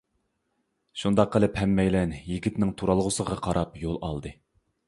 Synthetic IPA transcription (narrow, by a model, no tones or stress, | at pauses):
ʃund̪ɑqːəlˠɨphɛmːɛjlɛnjiɡʲit̪nɪŋt̪ʰuɾɑlˠʁʊsəʁɑqʰɑɾɑpjolˠɑ̰lˠd̪ɨ